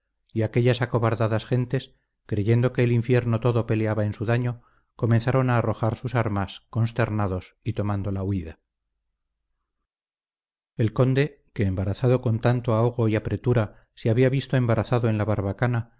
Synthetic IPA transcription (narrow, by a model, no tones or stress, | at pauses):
iake̞ʎasako̞βaɾðaðasxe̞nt̪e̞s | kɾe̞ʝe̞nd̪oke̞ːliɱfje̞ɾnot̪o̞ðo̞pe̞leaβae̞nsuðaɲo̞ | ko̞me̞nθaɾo̞naːro̞xaɾsusaɾmasko̞nst̪e̞ɾnaðo̞sit̪o̞mãnd̪o̞lauiða | e̞lko̞nd̪e̞ | ke̞ːmbaɾaθaðo̞ko̞nt̪ant̪oao̞ɣ̞o̞iapɾe̞t̪uɾa | seaβiaβist̪o̞e̞mbaɾʔaθaðoe̞nlaβaɾβakana